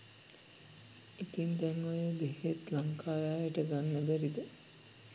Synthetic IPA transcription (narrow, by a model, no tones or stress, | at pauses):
it̪ind̪ɛŋʋojeb̪eɦet̪laŋkʰaːjaːjəʈəɡanːəbɛɾid̪ə